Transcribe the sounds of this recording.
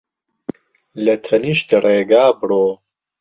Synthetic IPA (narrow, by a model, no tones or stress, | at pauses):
lɐt̪ʰɐniʃt̪ɐɾʔeːɡaːbɽoː